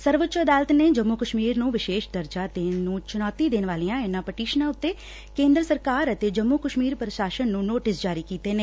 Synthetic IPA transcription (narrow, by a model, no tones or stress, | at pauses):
səɾʋətt͡ʃəd̪aːlət̪neːd͡ʒəmːukəʃmiːɾnũːʋɪʃeːʃd̪əɾd͡ʒaːt̪eːnũːt͡ʃʊnaːt̪iːd̪eːnʋaːliːãːɪnãːpəʈiːʃnãːʊt̪ːeː | kẽːnd̪ɾəsəɾkaːɾət̪eːd͡ʒəmːuːkəʃmiːɾpɾəʃaːʃənːũːnoːʈɪsd͡ʒaːɾiːkiːt̪eːneː